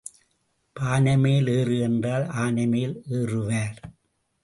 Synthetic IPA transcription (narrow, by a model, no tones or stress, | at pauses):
paːnɐmeːleːrɯɛndraːlaːnɐmeːleːrɯʋaːɾ